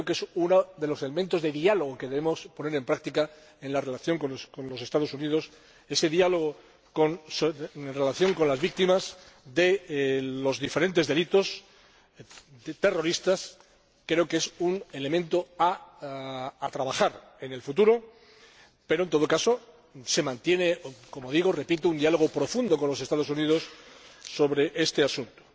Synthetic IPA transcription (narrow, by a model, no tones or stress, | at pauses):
kɾoke̞sunoðe̞lo̞se̞le̞mẽnt̪o̞zðe̞ðialoɣ̞oke̞ðe̞β̞emo̞spo̞ne̞ɾe̞mpɾak̚t̪ika | enlare̞laθjo̞ŋkonkonlo̞se̞st̪að̞o̞sunið̞o̞s | e̞se̞ðialo̞ɣ̞o | konsnre̞laθjo̞ŋko̞nlazβik̚t̪imaz | ðe̞lo̞zðife̞ɾe̞nt̪eðelit̪o̞s | t̪e̞ro̞ɾist̪as | kɾe̞okeesune̞le̞mẽnt̪oa | at̪ɾaβaxaɾ | e̞ne̞lfut̪uɾo̞ | pe̞ɾoent̪o̞ð̞o̞kaso | se̞mãnt̪je̞ne̞ko̞moð̞iɣ̞ore̞pit̪ound̪ialo̞ɣ̞opɾo̞fund̪o̞ko̞nlo̞se̞st̪að̞o̞suniðo̞sː | o̞βɾe̞ʔe̞st̪easunt̪o̥